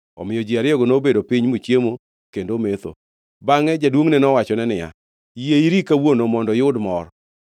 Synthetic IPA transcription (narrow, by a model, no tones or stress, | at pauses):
ɔ̰mɪjɔd͡ʒiaɾɪɔɡonobedopiɲmut͡ʃjemo | kendomet̪o̰ | baŋɛd͡ʒadwoŋnɛnɔwat͡ʃɔnɛnɪja̰ | jeiɾikawonomɔndɔjʊdmɔɾ